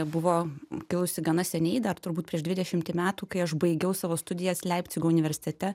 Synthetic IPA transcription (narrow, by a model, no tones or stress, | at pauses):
bʊʋoːkʲɪlˠʊsʲɪɡɐnɐsʲɛnʲɛɪd̪ɐrt̪ʊɾbuːt̪pʲɾʲiɛʃʒd̪ʲʋʲɪd̪ʲɛʃʲɪmʲt̪ʲɪmʲæːt̪uːkɐɪɐʃbɐɪɡʲɛʊsɑːʋoːst̪ʊd̪ʲɪjɛslʲɛɪpʲt̪sʲɪɡoːʊnʲɪʋʲɛɾʲsʲɪ̥t̪ʲɛt̪ʲɛ